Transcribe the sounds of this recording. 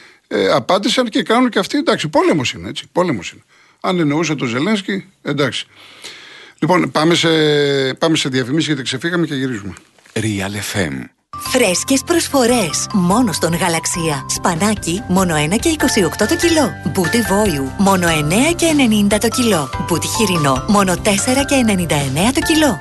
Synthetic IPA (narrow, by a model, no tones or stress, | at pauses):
eɐpɐd̪isɐnce̞kɐnunceɐft̪iend̪ɐksipo̞lemosineet͡si̥polemosine | ɐnenous̬ɐt̪oze̞lensci | end̪ɐksi̥ | lipo̞npɐmesepɐme̞seðiɐfimisiʝet̪ikse̞fiɣɐmeceʝiɾizume | ɾiɐlefḛm | fɾe̞sce̞spɾo̞sfo̞ɾe̞smo̞no̞st̪o̞ŋɣɐlɐksiɐspɐnɐcimo̞no̞e̞nɐce̞iko̞sio̞kt̪o̞t̪ocilo̞but̪ivo̞jumo̞no̞e̞ne̞ɐce̞ːne̞nind̪ɐt̪o̞cilo̞but̪içiɾino̞mo̞no̞t̪e̞se̞ɾɐce̞ːne̞nind̪ɐene̞ɐt̪o̞cilo̞